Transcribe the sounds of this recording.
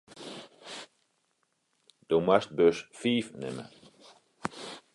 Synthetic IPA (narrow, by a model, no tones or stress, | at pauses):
d̪̥omast̪̚bøsfiːfnɪ̰mə̰